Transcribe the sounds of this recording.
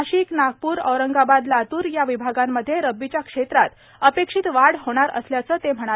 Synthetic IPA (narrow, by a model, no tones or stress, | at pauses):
ɕiːknaɡ̚puːɾə̰wɾəŋɡabad̪lat̪uːɾjaʋibʱaɡamːəd̪ʱːjeɾəbːit͡ɕjakʂet̪ɾat̪ | əpekʂit̪ʋaɽɦoɽ̃aɾə̰sljat͡səːt̪em̤əɽ̃a